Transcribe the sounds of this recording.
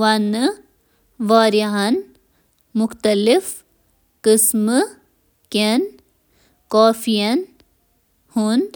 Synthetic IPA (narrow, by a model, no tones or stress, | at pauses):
ʋɐn | ʋaːɾjɐɦɐn | mʊxt̪ɐlif | kɨsm | ken | koːfijɐn | hund̪